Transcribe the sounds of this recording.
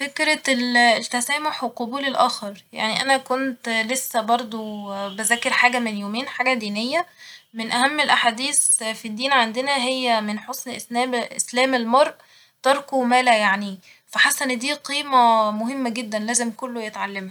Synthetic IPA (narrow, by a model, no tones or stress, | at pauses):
fekɾælt̪æsæːmoħweqobuːlelʔæːxɑɾˤja̰ʕniʔænækont̪lesːæbɑɾˤd̪ˤobæzæːkeɾħaːɡæmenjoːmeːnħaːɡæd̪iːnejːæmenʔæhæmːelʔaħaːd̪iːsfid̪ːiːnʕand̪enæɦejːæmenħosˤnʔesnæːmʔslæːmelmɑɾˤʔ | t̪ɑɾˤkomæːlæjaʕni | fæħasænd̪iːqiːmæmohemːæɡed̪ːænlæːzemkolːojet̪ʕalːemhæ